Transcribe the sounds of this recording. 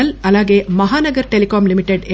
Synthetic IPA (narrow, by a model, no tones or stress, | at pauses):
ɐlɐlːaːɡeːmɐɦaːnɐɡɐɾʈelikaːmlɪmɪʈːeɖe